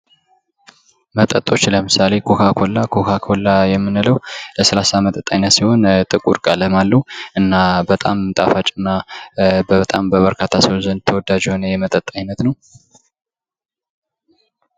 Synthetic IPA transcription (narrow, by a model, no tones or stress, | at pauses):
mət̪ʼət̪ʼːo̞t͡ʃːləmɨsale̞kʰo̞kʰakʰo̞lːakʰokʰakʰo̞lːajɛmːɨnɨləwləsəlasamət̪ʼət̪ʼːajnːət̪siho̞nt̪ʼɨkʼuɾkʼaləmalːəuʔɨnːabət̪ʼamt̪ʼafat͡ʃʼɨnːabət̪ʼambəβəɾkʰat̪ʰasiwzənt̪ʰəwɔd̪ːad͡ʒho̞nəjɛmət̪ʼət̪ʼajnət̪nəw